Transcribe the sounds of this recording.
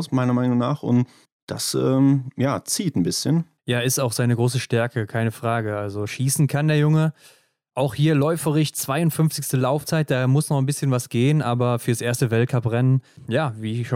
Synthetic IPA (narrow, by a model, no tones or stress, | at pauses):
ʊsmaɪnɐmaɪnʊŋnaːχʊ̰nt | d̥a̰sʔɛːmjaːt͡siːtn̩bɪsçən | jaːɪstaʊxz̥aɪnəɡʁoːsəʃtɛɐkəkʰaɪnəfʁ̥aːɡəʔalzoʃiːsn̩kʰandeːɐjʊŋə | ʔaʊxhiːɐlɔʏfəʁɪçt͡sv̥aɪʊntfʏnft͡sɪçstəlaʊft͡saɪt̚d̥aːmʊsnɔχn̩bɪsçənvasɡ̥eːənʔaːbɐfyːɐsʔeːɐstəvɛlt̚kʰapʁɛnənjaːviːʃo